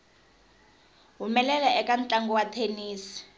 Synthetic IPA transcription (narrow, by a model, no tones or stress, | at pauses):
ɦumɛlɛlɛʔɛkan̩t͡ɬʼaŋɡɔwatʰeniːsi̥